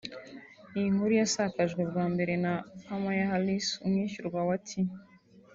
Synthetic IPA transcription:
ijiŋ̥huɾujasakaʒɡwe̞bɡaːmbe̞ɾe̞nakamajaɦalisumŋiːʃuɾɡwawatʰi

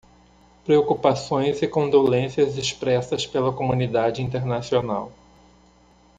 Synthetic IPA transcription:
pɾeokupasõj̃zɪkõnd̪olẽsiɐzespɾɛsɐspelɐkomũnid̪ad͡ʒɪĩnt̪eɾnasiona̰w

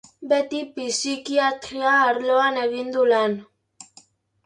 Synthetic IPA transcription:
bet̪ipisikiat̪ɾiaːɾloane̞ɣind̪ulen

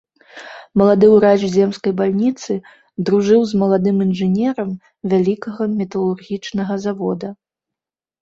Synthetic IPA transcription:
mɐlˠad̪ɨwɾaʐzʲɛmskɐjbalʲnʲit̪sɨ | d̪ɾuʐɨwzmɐlˠad̪ɨminʐɨnʲɛɾɐm | vʲalʲikɐɣɐmʲɛt̪ɐlˠurɣʲit͡ʂnɐɣɐzavɔd̪ɐ

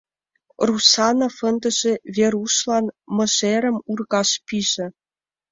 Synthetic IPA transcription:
rusɑnofə̆nd̪ə̆ʒĕvʲeɾuʃlɑnmɤ̆ʃeɾə̆murɣɑʃpiʒĕ

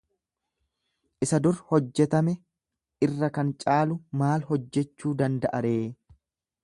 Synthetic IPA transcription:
ʔɪsɐd̪ʊɾhɔd͡ʒːɛt̪ɐmɛ | ɪrːɐkɐnt͡ʃʼaːlʊmaːlhɔd͡ʒːɛt͡ʃːuːd̪ɐnd̪ɐʔɐɾeː

